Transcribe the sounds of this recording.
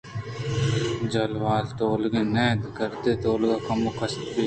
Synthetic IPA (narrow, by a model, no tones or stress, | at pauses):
d͡ʒɐlʋaːlt̪oːlɡeːnɛːd̪kəɾt̪et̪oːlɡaːkɐmokɐst̪piː